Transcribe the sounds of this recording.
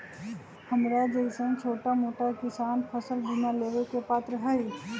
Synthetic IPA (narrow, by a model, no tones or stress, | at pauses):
həmɾad͡ʒəɪsə̃nt͡ʃʰoːʈamoːʈakɪsaːnpʰəsəlbʱunaleːʋekepaːt̪ɾəɦaiː